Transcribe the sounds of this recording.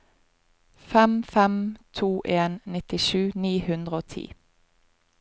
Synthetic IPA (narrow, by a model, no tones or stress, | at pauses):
fɛmfɛmt̪ʰuːʔeːnnɪt̪ɪʃʉːniːhʉnd̪ʁəoːt̪ʰḭː